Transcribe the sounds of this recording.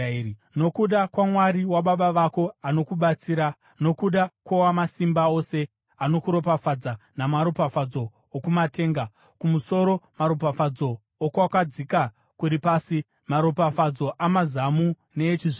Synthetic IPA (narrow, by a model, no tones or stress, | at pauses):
no̞kuɗakwamwaɾiwaɓaɓaʋako̞ano̞kuɓat͡siːɾa | no̞kuɗakwowamasimbao̞se̞ | ano̞kuɾo̞pafad͡zanamaɾopafad͡zo̞ː | kumate̞ːŋɡa | kumuso̞ɾo̞maɾopafad͡zoː | kwakad͡zika | kuɾipaːsi | maɾopafad͡zo̞ʔamazamu | ne̞ːt͡ʃiʐ